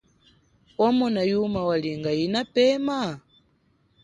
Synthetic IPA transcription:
wamɔnajumawaliŋɡajinapɛma

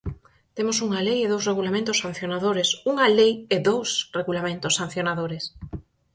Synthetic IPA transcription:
t̪emosuŋalejeðowsreɣ̞ulamẽnt̪osan̟θjonaðoɾesuŋɐlejeðowsreɣulamẽnt̪osːan̟θjonaðoɾes

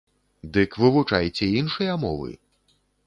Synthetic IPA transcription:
d̪ɨkvɨvut͡ʂajt͡sʲɛinʂɨjɐmɔ̰vɨ̰

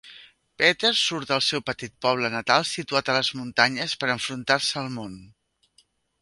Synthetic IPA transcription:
pɛt̪ersuɾt̪əlˠsɛwpət̪it̪̚pɔβ̞lənət̪alˠsit̪uat̪ələzmunt̪aɲəspəɾəɱfɾunt̪aɾsəːlˠmon

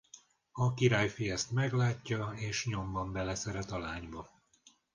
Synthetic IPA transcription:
ɒkiɾaːjfijɛst̪mɛɡlaːcːɒeːʃɲo̞mbɒmbɛlɛsɛɾɛt̪ɒlaːɲbɒ

